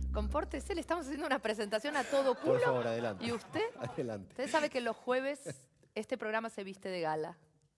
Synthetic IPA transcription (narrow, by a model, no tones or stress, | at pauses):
ko̞mpoɾt̪eselest̪amos̬asjenounapɾes̬e̞nt̪asjo̞nat̪o̞ð̞o̞kuoɾloaβoɾaðela̰ntieust̪eaðelant̪e̥t̪esaβekelo̞sxwe̞β̞es | est̪epɾoɣɾamase̞βist̪e̞ðeɣala